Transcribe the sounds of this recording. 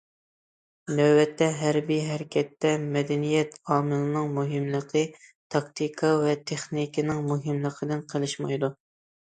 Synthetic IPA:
nøbɛt̪ʰːɛɦæɾbijɦæɾɪkʲʰɛt̪ːɛmɛd̪ɛnijɛt̪ɑːmɨlˠɨnɨŋmuɦɨmlˠəqʰət̪ʰɑkt̪ʰikʰɑvɛt̪ʰeχnikʲʰinɪŋmuɦɪmlˠəqʰəd̪ɨnqʰəlˠɨʃmɑjd̪u

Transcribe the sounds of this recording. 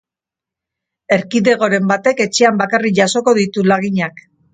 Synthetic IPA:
e̞ɾkiðe̞ɣ̞o̞ɾe̞mbat̪e̞ke̞t͡ʃe̞ambakariʝaso̞ko̞ðit̪ulaɣiɲak

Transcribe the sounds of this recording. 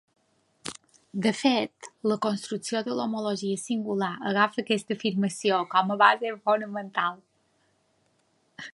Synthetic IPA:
d̪əfet̪ləkonst̪ɾuksiod̪əlomoloʒiəsiŋɡulaʔəɣafəːkɛst̪əfiɾməsiokɔməβazefonəmənt̪alˠ

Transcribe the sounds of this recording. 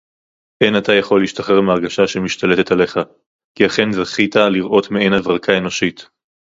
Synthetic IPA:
ʔenat̪ajaχo̞lːiʃtaχeʁmeaʁɡaʃaʃemiʃt̪ale̞te̞tale̞χa | kiaχe̞nzeχit̪aliʁʔo̞t̪meenavʁakʰae̞noʃit̪

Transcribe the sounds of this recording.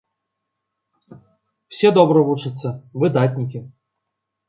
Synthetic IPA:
wsʲɛd̪ɔbɾəvut͡ʂɨt̪sːəvɨd̪at̪̬ʲnʲikʲɪ

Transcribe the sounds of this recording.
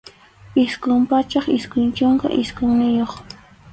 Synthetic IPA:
ɪskʊmpat͡ʃɑχɪskʊnt͡ʃoŋka̰ʔɪskʊŋnɪjoχ

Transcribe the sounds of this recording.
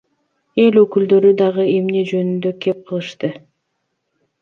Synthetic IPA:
e̞løkyld̪ø̞ɾyd̪ɑʁɯe̞mne̞d͡ʒø̞nynd̪ø̞kʰe̞p̚qʰɯlˠɯʃt̪ɯ

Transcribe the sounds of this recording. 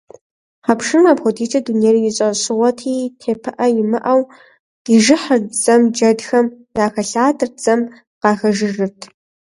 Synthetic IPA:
ħapʰʂɨmaːpχʷʊtʰiːt͡ʃʰʼɐduneːrijɪɕʼɐɕɨʁʷɐtʰiːtʰeːpʰɨʔɐjɪmɨʔɐw | qiʒɨħərd͡zɐmd͡ʒɐdxɐm | raːxɐɬaːdʰɨrd͡zɐm | qɑːxɐʒɨʒɨrtʰ

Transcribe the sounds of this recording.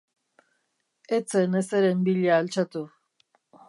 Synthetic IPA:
et͡seneseɾembiʎaːlt͡ʃat̪u

